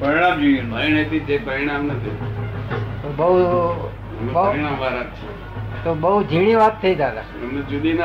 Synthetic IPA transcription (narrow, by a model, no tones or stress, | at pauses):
pəɾɽad͡ʒojeainet̪id͡ʒepəɾiɽ̃amnət̪ʰḭ | t̪obəu | əmeɾiɽambaɾatt͡ʃʰe | t̪obəud͡ʒʱiɽ̃iʋat̚t̪ʰːəid͡ʒad̪a̰ | əmned͡ʒud̪in